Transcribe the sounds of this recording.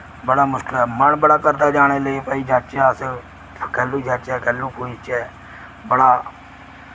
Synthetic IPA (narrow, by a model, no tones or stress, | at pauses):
bəɽaːmʊʃkəlɛːməɳbəɽaːkəɾd̪aːd͡ʒaːɽ̃eːləeːpaːiːd͡ʒaːt͡ʃaːəs | kɛːlːuːd͡ʒaːt͡ʃɛːkɛːlːũːpuːit͡ʃɛː | bəɽaː